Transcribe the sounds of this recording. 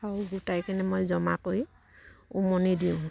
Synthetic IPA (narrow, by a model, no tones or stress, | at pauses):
awɡutajkanɛmojzɔmakoj | umonidiʊ̃